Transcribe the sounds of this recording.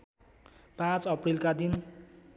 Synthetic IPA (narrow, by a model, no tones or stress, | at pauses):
pãt͡sʌprilkad̪in